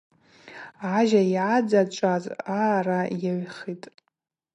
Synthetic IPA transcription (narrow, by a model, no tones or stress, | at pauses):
aʒaiʕad͡zat͡ʃʷʼazarajaɥχitʼ